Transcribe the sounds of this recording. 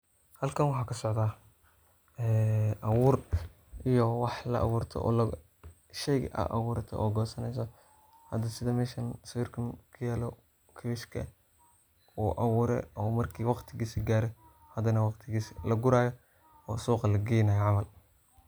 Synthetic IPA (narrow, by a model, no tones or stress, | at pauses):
hɐlkʰɐnwɑħɑːkʰɐsɔʕd̪aː | ɛːʔɐwuːr | ʔijɔwɑħlɐ̰ʔɑ̰wuːrt̪ʰɔ̰ʔɔ̰ːlɐ | ʃɛjʔɐ̰ʔɐ̰wuːɾɐt̪ʰɛ̰ʔɔːɡɔːsɐnɛjs̬ɔ | hɐd̪ɐsɪðɐmɛːʃɐnswɪːrkʰɐnkʰɐjaːlɔ | kʰɐwɪʃkʰɐ̰ | uːʔɐwuːɾɛ̰ʔɔːmɐrkʰiːwɑqt̪ʰɪɣiːsɪɡaːɾɛ | hɐd̪ɐnɐwɑqt̪ʰɪɣiːsɪlɐɡʊɾaːjɔ | ɔːsuːqɑlɐɡɛjnɐjɐʕɑmɐl